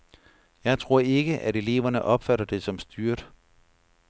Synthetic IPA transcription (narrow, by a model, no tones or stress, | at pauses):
jɑ̈ɪt͡sʰʁo̝ɐ̰e̝ɡ̥əʔæɾe̝le̝̰ːʊʋɐnəʔɒ̽b̥fæɾɐd̥e̝sɒ̽msd̥yɐd̥